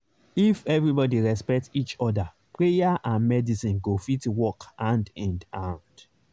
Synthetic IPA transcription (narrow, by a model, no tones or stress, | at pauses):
ifɛvɹibɔdiɹɛspɛk̚tit͡ʃɔda | pɹejaʔãnmɛdisĩnɡofitwɔkãndɛ̃ndãʊ̃nd